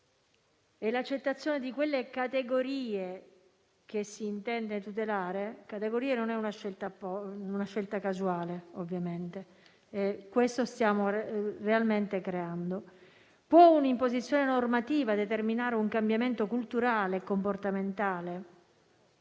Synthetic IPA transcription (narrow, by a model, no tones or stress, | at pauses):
ɛlat͡ʃːet̪ːat̪sːjoːned̪ikwelːekat̪eɡoɾiːe | k̟esːiːnt̪ɛnd̪et̪ut̪elaːɾekat̪eɡoɾiːenonɛunaʃːelt̪apɔunaʃːelt̪akazuaːleovːjament̪e | ɛkwest̪ost̪jaːmorealment̪ekɾeand̪o | pwɔunimpozit̪sːjoːnenormat̪iːvad̪et̪erminaːɾeuŋkambjament̪okult̪uɾaːleːkːomport̪ament̪aːle